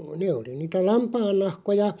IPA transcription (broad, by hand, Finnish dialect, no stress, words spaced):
neˑ oli niːtæ lɑmpɑːnːɑhkojɑ